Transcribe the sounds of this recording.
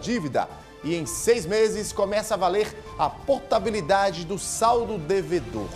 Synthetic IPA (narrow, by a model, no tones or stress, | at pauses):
d͡ʒivid̪ɐ̰ | ɪẽj̃sejzmezɪskõmɛsɐavaleɾ | ɐpoɾt̪abilid̪ad͡ʒɪd̪ʊsawd̪ʊd̪eved̪o̰ɾ